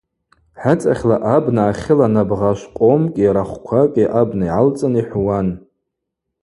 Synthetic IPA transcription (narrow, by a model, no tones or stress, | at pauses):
ħat͡sʼaχʲlaʔabnaːχʲɪlanabʁaʃʷqʼomkʲʼiɾaχʷkʷʰakʲʼiʔabnaiʕalt͡sʼaniħʷwan